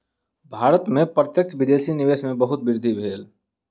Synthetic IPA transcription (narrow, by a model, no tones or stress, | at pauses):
bʱaːɾət̪mẽpɾət̪jək̚t͡ʃʋɪd̪eːʃinɪʋeːʃmẽbɐɦʊt̪bɪɾd̪ʱibʱeːl